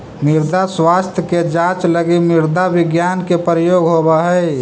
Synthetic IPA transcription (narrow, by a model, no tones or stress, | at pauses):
mɪɾd̪aswaːst̪ʰjəked͡ʒãt͡ʃləɡimɪɾd̪abɪɡjaːnkepɾəjoːɡɦobaɦɛɪ